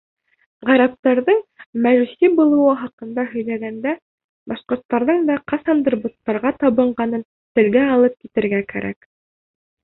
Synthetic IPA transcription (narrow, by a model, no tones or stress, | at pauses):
ʁæɾæp̚t̪ɑɾðɤɴmæʒusibulˠɤ̆wɤɦɑqɤ̆nd̪ɑɦɵ̆jlæɡænd̪æ | bɑʃqŏɾt̪ːɑɾðɤɴd̪ɑqɑsɑnd̪rbut̪ːɑɾʁɑt̪ɑβɤ̆ɴɢɑnɤn | t̪ɘ̆lɡæɑlˠɤp̚kit̪ɘ̆ɾɡækæ̰ɾʔæ̰k